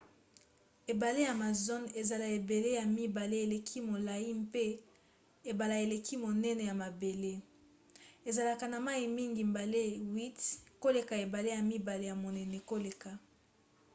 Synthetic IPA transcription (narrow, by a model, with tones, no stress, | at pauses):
e˨ba˨le˦ja˨ma˨zo˦ne˨za˨la˨e˨be˨le˦ja˨mi˦ba˨le˦e˨le˨kʰi˦mo˨la˨i˦mpe˦ | e˨ba˨la˨e˨le˨kʰi˦mo˨nɛ˦nɛ˨ja˨ma˨be˨le˦ | e˨za˨la˨ka˨na˨ma˦i˨mi˦ŋɡi˨m̩ba˨le˦wi˦tko˦le˨ka˨e˨ba˨le˦ja˨mi˦ba˨le˨ja˨mo˨nɛ˨nɛ˨ko˦le˨ka˨